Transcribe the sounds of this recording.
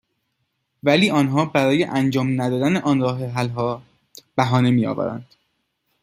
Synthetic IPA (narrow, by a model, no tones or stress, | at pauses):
væliːɒːnɦɒːbæɾɒːje̞ʔænd͡ʒɒːmnæd̪ɒːd̪æneʔɒnɾɒːɦeɦælɦɒː | b̥æɦɒːne̞miːɒ̰ːvæ̰ɾæ̰nd̪̥